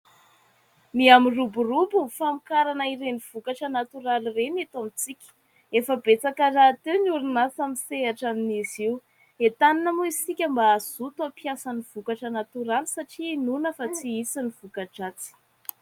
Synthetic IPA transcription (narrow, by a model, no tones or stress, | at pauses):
miamiruburubufamikaɾanəiɾeniv̥ukaʈ͡ʂənat̪uɾalirenat̪amit͡sikʲə̥ | efəbet͡sakərat̪ewnuɾinasamiseaʈ͡ʂaminiziw | et̪aninəmuisikʲəmbaːzut̪apjasaniv̥ukaʈ͡ʂənat̪uɾalisaʈ͡ʂiːnunəfat͡siisiniv̥ukaʈ͡ʂat͡si̥